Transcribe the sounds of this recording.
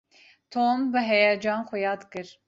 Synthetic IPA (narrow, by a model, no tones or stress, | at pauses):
t̪ʰombɨɦɛjɑd͡ʒɑːnxujɑːd̪kɨɾ